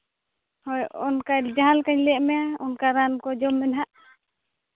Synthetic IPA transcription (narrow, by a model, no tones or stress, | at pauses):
hɔjɔ̰nkad͡ʒaalkaɲlɛʔmɛɔnkaɾankɔd͡ʒɔmːɛnɦaʔ